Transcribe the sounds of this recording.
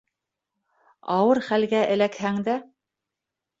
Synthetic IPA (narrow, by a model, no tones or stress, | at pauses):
ɑwɤɾχælɡæʔɘ̆lækhæŋd̪æ